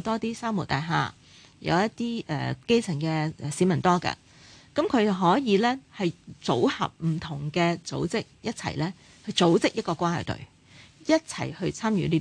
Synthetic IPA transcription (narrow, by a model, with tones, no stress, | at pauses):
t̪ɔː˥t̪iː˥saː˥mo˨˩t̪a̰ː˨jɦa̰ː˨˩ | jɐ̰˨˧wjɐ˥tt̪iː˥ʔɛ̰ː˨ke˥jt͡sʰɪ˨˩ŋkɛː˧˨siː˨˥mɐ˨˩nt̪ɔː˥kɐ̰˧ | kɐ˨˥mkʰɵ˨˧ɥt͡sɐ˨˩wɦɔː˨˥jiː˨˧lɛː˥hɐ˨jt͡so̰˨˥whɐ̰˨p̚m̩˨˩t̪ʰʊ˨˩ŋkɛː˧t͡so̰˨˥wt͡sɪ˥k̚jɐ˥t̚t͡sʰɐ̰˨˩jlɛː˥ | hɐ˨˧jt͡so˨˥wt͡sɪ˥k̚jɐ˥t̚kːɔː˧kʷaː˥hɐ̰˨˩t̪ɵ̰˨ɥ | jɐ˥t̚t͡sʰɐ˨˩jhɵ˧ɥt͡sʰaː˥mjyː˨˥li˥